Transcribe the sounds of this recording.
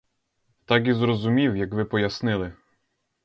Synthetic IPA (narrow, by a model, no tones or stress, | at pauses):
t̪ɑk̬ʲizɾɔzʊmʲiwjɐkʋɪpɔjɐsnɪlˠɪ